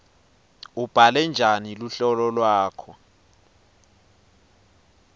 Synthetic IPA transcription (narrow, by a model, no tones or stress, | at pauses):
ub̥ʱalɛnd͡ʒʱaniluɬɔlɔlwaːkʰɔ